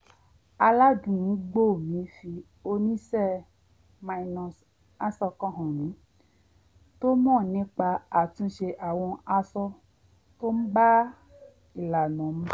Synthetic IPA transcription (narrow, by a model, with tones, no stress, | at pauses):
a˧la˦dũ˨˦ɡ͡bo˦˨mĩ˨˦fi˧ | o˧nĩ˦sɛ˦˨ | mã˧i˧nɔ̃˧s | a˦sɔ˧kɔ̃˦ɦɔ̃˨nĩ˨˦ | to˦mɔ̃˦˨nĩ˦k͡pa˧a˨tũ˧˦ʃe˧ʔa˨w̃ɔ̃˧a˧sɔ˧ | to˦n̩˦ɡ͡ba˦ | i˨la˨nɔ̃˨m̩˦